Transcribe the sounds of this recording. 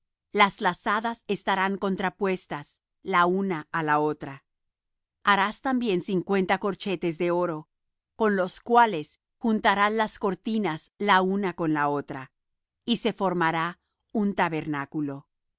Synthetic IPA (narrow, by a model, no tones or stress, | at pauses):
laslasaðase̞st̪aɾaŋko̞nt̪ɾapwe̞st̪as | launaalao̞t̪ɾa | aɾast̪ambje̞nsiŋkwe̞nt̪ako̞ɾt͡ʃe̞t̪e̞zðe̞o̞ɾo̞ | ko̞nlo̞skwale̞s | xunt̪aɾanlasko̞ɾt̪inaslaunako̞nlao̞t̪ɾa | ise̞fo̞ɾmaɾa | unt̪aβe̞ɾnakulo̞